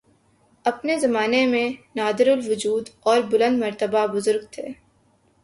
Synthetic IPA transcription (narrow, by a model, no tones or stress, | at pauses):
ɐpnezɐmaːnemẽnaːd̪ɪɾʊlʋʊd͡ʒuːd̪ɔːɾbʊlə̃nd̪mɐɾt̪əbabʊzʊɾɡt̪ʰḛː